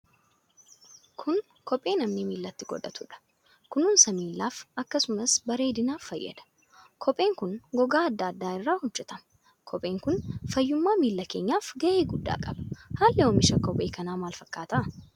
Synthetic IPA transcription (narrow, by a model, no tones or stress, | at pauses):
kʰʊn | kɔpʼːe̞ːnɐmnɪmiːlːɐt̪ːɪɡɔ̰ᶑ̪ɐt̪ʊᶑɐ̥ | kʊnuːnsɐmiːlːaːfɐkːɐsʊmɐsbɐɾeːd̪ɪnaːffɐjːɐ̰d̪ɐ̥ | kʰɔpʼːe̞ːŋkʊnɡɔɡaːɐd̪ːɐːd̪ːaːɪrːaːhʊd͡ʒːɛt̪ɐmɐ | kʰɔpʼːe̞ːŋkʊnfɐjːʊmːaːmiːlːɐke̞ːɲːaːfɡɐʔeːɡʊd̪ːa̰ːkʼɐb̥ɐ̥haːlːɛoːmɪʃɐkɔpʼːeːkɐnaːmaːlfɐkːaːt̪ɐʔɐ